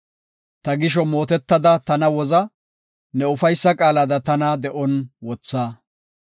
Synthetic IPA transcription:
t̪ɐɡɪʃɔmo̞ːt̪ɛt̪ːɐd̪ɐt̪ɐnɐwɔzɐ | nɛʊfɐjsːɐkʼaːlad̪ɐt̪ɐnɐd̪ɛʔɔnwɔt͡sːaː

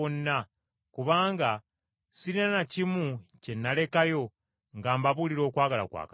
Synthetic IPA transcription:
onːa | kuβaːŋɡa | siɾinanacimuce̞nːale̞kajo̞ | ŋɡaːmbaβuliɾo̞ːkwaːɡala̰kwa̰ːka

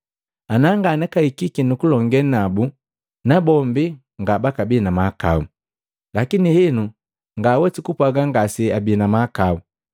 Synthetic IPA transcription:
anaŋɡanɛkaikikinukulɔŋɡɛnabu | nabɔmbi | ŋɡabakabinamaka̰u | lakinihinu | ŋɡawɛtikupwaɡaŋɡasiabinamakau

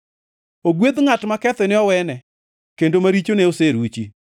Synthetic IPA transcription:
oɡwed̪ŋatmakɛt̪ɛnɪɔwɛnɛ | kendomaɾit͡ʃoneoseɾut͡ʃi

